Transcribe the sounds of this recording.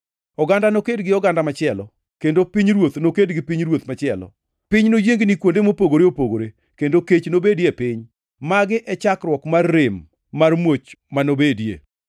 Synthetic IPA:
ɔɡandanokedɡɪɔɡandamat͡ʃɪɛlɔ | kendopiɲɾwot̪nokedɡɪpiɲɾwot̪mat͡ʃɪɛlɔ̰ | pɪɲnojeŋɡnikwondemopoɡoɾeopoɡoɾe | kendoket͡ʃnobedjepɪɲ | maɡɪʔɛt͡ʃakrwɔkmarːɪmː | armwot͡ʃmanobedjḛ

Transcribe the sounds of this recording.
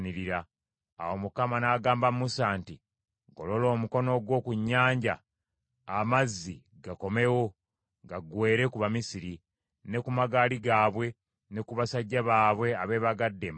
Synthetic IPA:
niɾiɾa̰ː | wo̞mukamanaːɡaːmbammusaːnti | ɡo̞̰lo̞lo̞ːmuko̞no̞ɡwo̞ːkuɲːaːɲɟa | amazːi | ɡako̞me̞wo̞ | ɡaɡwe̞ːɾe̞kuβamisiɾi | ne̞kumaɡaːliɡaːβwe̞ | ne̞kuβasaɟːaβaːβwe̞aβe̞ːβaɡadːem

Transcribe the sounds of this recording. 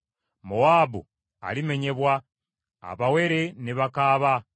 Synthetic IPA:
moaːbṵ | a̰lime̞ɲe̞βwa | a̰βawe̞ɾe̞niβakaːβa

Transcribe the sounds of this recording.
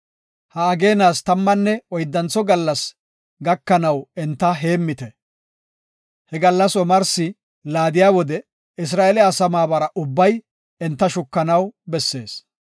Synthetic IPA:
hɐːɡe̞ːnaːst̪ɐmːɐnːɛɔjd̪ːɐnt͡sːɔɡɐlːɐs | ɡɐkːɐnɐwɛnt̪ːɐɦe̞ːmːɪt̪ɛ | hɛɡɐlːɐsɔmɐɾsɪ | laːd̪ɪjaːwɔd̪ɛ | ɪs̬ɾaːʔelɛɐsɐmaːbɐɾɐʔʊbːɐj | ɛnt̪ːɐʃʊkːɐnɐwbɛsːe̞ːs

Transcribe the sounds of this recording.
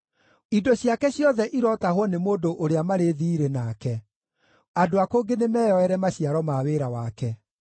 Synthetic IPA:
idɔɕjakɛɕjɔðɛʔiɾɔtahwɔnemoːdoʔoɾeamaɾeðiɾenaːkɛ | adoakoːɡenemɛːjɔɛɾɛmaɕiaɾɔmaweɾawakɛ

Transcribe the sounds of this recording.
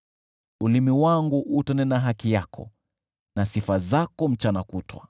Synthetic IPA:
ulimiwaŋɡuʔutanɛnaɦakijakʰɔ̰ | nasifazakɔm̩t͡ʃanakutwa̰

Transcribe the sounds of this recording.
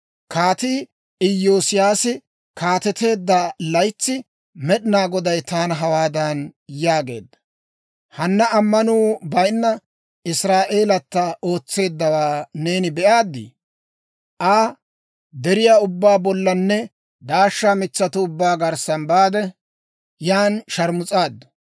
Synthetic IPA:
kaːt̪iː | ɪjːoːsɪjaːsɪ | kaːt̪ɛt̪e̞ːd̪ːalɐjt͡sːɪ | mɛɗɪnaːɡɔd̪ɐjt̪aːnɦɐwaːd̪ɐnjaːɡe̞̰ːd̪ːɐ̥ | hɐnːɐɐmːɐnuːbɐjnːɐ | ɪsɾaːʔe̞ːlɐt̪ːɐʔo̞ːt͡sːe̞ːd̪ːɐwaːne̞ːnɪbɛʔaːd̪ːɪ̰ | ʔaː | d̪ɛɾɪjaːʊbːaːbɔlːɐnːɛ | d̪aːʃːaːmɪt͡sːɐt̪ʊʊbːaːɡɐɾsɐnbaːd̪ɛ | jaːnʃɐɾmʊt͡sʼaːd̪ːʊ̥

